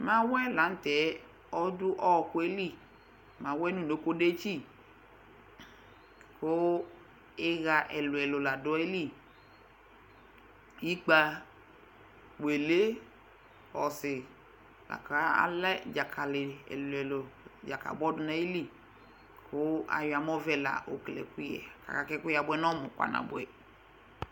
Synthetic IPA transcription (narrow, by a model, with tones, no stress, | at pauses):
mã˦wɛ˦la˨˦n̩˦tɛ˨˦ | ɔ˦dʊ˦ʔɔ˦˧ku˦e˦li˦˨ | mã˨˦wɛ˦nũ˦˨no˨˦ko˦de˦t͡ʃi˦˨ | ko˦ | e˦ɣa˨˧ʔɛ˨lʊ˨ɛ˨lo˨la˨dʊ˨˦e˦li˦˨ | i˦k͡pa˧ | we˨le˦ | ɔ˨sɪ˨ | la̰˨ka˦a̰˦lɛ˦d͡ʒa˨kʰa˨lɪ˨ɛ̰˨lʊ˨ɛ˨lo˨d͡ʒa˨ka̰˨bɔ˦dʊ˨na˦i˦li˦ | kʰʊ˦a̰˨ja˨m˦ɔ˦vɛ˦la̰˨ʔo˨klɛ̰˨ku˦jɛ̰˨ka̰˨ka˨kɛ˦kʊ˦ja˨bwɛ˦nɔ˦mʊ˨ka̰˨na̰˨bʊ˦ɛ˨